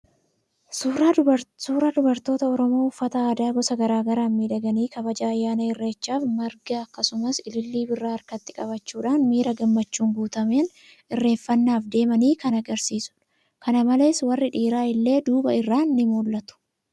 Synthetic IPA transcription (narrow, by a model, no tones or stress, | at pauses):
suːɾad̪ʊbɐɾt̪o̞ːt̪ɐɔɾɔmo̞ːʊfːɐt̪ɐaːd̪aːɡɔsɐɡɐɾaːɡɐɾaːnmiːᶑɐɡɐniːkɐbɐd͡ʒaːɐjːaːnɐɪrːeːt͡ʃːaːfmɐɾɡɐɐkːɐsʊmɐsɪlɪlːiːbɪrːaːɐɾkɐt̪ːɪ̥kʼɐbɐt͡ʃːuːᶑaːnmiːɾɐɡɐmːɐt͡ʃːuːŋɡuːt̪ɐme̞ːn | ɪrːe̞ːɱfɐnːaːfd̪e̞ːmɐniːkɐnɐɡɐɾsiːsʊ̥ᶑ | kɐnɐmɐle̞ːswɐrːɪᶑiːɾaːɪlːe̞ːd̪uːbɐɪrːaːnːɪmoːlːɐt̪ʊ̥